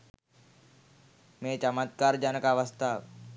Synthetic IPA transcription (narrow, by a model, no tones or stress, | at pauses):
mẽt͡ɕəmat̪̚kaɾd͡ʒanəkaʋast̪aʋ